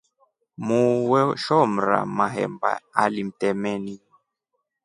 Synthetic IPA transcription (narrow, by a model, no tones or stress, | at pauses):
muwɛʃɔm̩ɾa̰maɦɛ̰mba̰alim̩tɛmɛni